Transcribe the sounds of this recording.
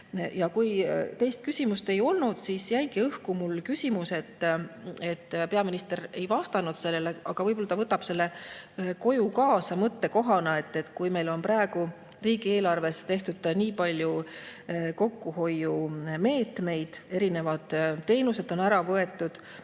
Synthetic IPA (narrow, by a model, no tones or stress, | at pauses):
jɑkujt̪e̞jst̪̚kysʲimust̪e̞jo̞lnud̪̥sisjæjɡ̥iɤhkumulkysʲimuse̞t̪ː | e̞t̪ːpe̞ɑminist̪e̞ɾe̞jvɑst̪ɑnud̪̥se̞lːe̞leʔɑɡ̥ɑvɤjbolːɑt̪ɑvɤt̪ːˑɑb̥se̞lːe̞ko̞jukɑːsɑmɤt̪ːe̞ko̞ɦɑnɑe̞t̪ːe̞t̪ːkujme̞jlo̞nprɑeɡ̥u | riːɡ̥ie̞ːlɑrve̞st̪e̞ht̪ud̪̥niːpɑlʲju | ko̞kːuɦo̞jːume̞ːt̪me̞jd̪̥e̞ɾine̞vɑd̪̥t̪ːe̞ːnuse̞d̪̥o̞næɾɑvɤe̞t̪ːˑud̪̥